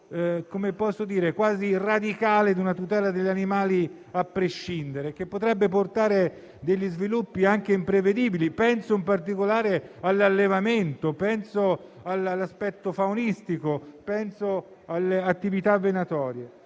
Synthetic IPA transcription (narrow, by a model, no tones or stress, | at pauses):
komepɔsːod̪iːɾekwaːzirad̪ikaːled̪unat̪ut̪ɛːlad̪eʎːanimaːli | apːɾeʃːind̪eɾek̟epːot̪ɾɛbːeport̪aːɾe | d̪eʎːizvilupːiaŋk̟eimpɾeved̪iːbilipɛnsoimpart̪̬ikolaːɾealːalːevament̪opɛnsoalalːaspɛt̪ːofaunist̪ikopɛnso | alːeat̪ːivit̪avːenat̪ɔːɾje